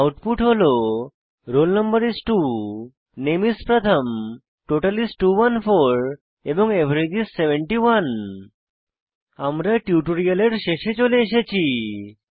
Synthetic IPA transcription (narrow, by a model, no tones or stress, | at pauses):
awʈpuʈɦolo | ɾolnəmbəɾisʈu | nemispɾət̪ʰəm | ʈoʈalisʈuwanfʰoɾ | ebɔŋebʱɾeɡisːebeɳʈiwan | amɾaʈjuʈoɾialeɾʃeʃet͡ɕoleeʃ̬et͡ɕʰi